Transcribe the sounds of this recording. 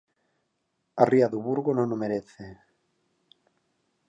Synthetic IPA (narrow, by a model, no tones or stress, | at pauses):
ariaðuβuɾɣonõŋomeɾeθe